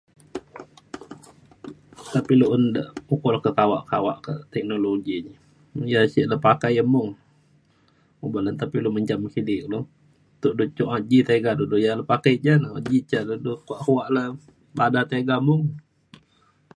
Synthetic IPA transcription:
t̪apiloʔəndəʔukulahkəkawaʔkawa̰ʔkəʔt̪ɛk̚noloɡiɲ | jasiʔləpakajəmʊŋ | ubələnt̪apiloməɲd͡ʒamkidɪk̚lo | t̪uʔdut͡ʃʊʔad͡ʒit̪aɡadudujaləpakajd͡ʒanaa̰d͡ʒit͡ʃaʔdudʊkuaʔhuwaʔla | badat̪aɡamʊŋ

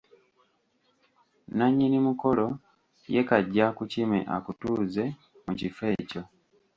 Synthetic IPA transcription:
naɲːinimuko̞lo̞ | je̞kaɟːakucimḛʔa̰kutuːze̞ | mucife̞ːco̞

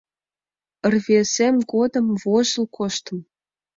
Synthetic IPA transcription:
ə̆rβesemɡod̪ə̆mvoʒə̆lkoʃt̪ə̆m

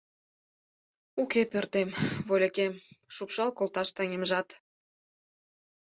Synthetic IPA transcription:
ukepørt̪emβolʲekemʃupʃɑlkolt̪ɑʃt̪æŋʲemʒɑt̪

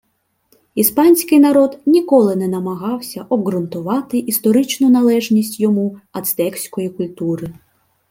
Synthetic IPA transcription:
ispɑnʲsʲkɪjnɐɾɔd̪nʲikɔlˠɪnɛnɐmɐɦɑwsʲɐʔɔbɣɾʊnt̪ʊʋɑt̪ɪʔist̪ɔɾɪt͡ʃnʊnɐlˠɛʒnʲisʲtʲjɔmuɐt̪st̪ɛksʲkɔjikʊlʲt̪uɾɪ

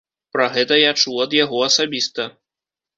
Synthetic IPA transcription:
pɾɐɣɛt̪ɐjat͡ʂuɐd̪jaɣɔɐsabʲist̪ɐ

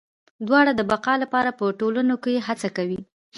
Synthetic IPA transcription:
d̪wɑɽad̪əbaqɑlapɑɾapəʈolənokejeɦat͡sakawi

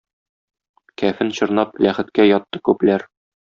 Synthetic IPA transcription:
kæfɘnɕŏɾnɑplæχɘ̆t̪kæjɒt̪ːɤ̥kʉplæɾ

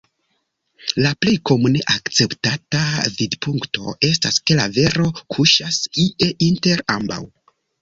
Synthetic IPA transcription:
laple̞jko̞mune̞ʔakt͡se̞ptatavidpuŋkto̞̰ʔe̞s̬taske̞lave̞ɾo̞kʰuʃasiʔe̞ʔinte̞ɾamba̰w

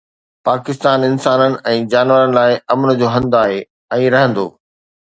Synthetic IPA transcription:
paːkɪst̪aːnɪnsaːnənɪ̆ɛ̃ːd͡ʑaːnʋəɾənɪ̆laːɪɐmənəd͡ʑoːɦɐ̃nd̪aːɦeː | ɛ̃ːɾɐɦə̃nd̪o̰ː

